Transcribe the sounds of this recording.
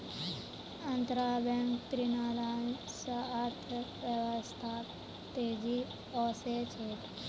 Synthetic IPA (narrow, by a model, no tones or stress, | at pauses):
ɐnt̪ɾaːbeŋkt̪ɾinaːɾan | səːɾt̪ʰəʋjəʋəst̪ʰa | t̪eːd͡ʒi | ɔːset͡ʃʰeːt̪